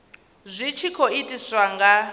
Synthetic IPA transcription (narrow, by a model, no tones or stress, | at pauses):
zʷit͡ʃʰikʰɔitʼisʷwaŋɡa